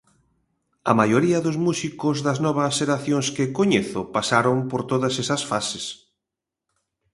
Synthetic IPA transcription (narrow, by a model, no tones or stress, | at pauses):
ɐ̰majoɾiɐðʊzmusikʊzðɐznɔβ̞ɐsʃeɾaθjõŋskɪkoɲeθʊpasaɾompoɾt̪oðɐsesɐsfases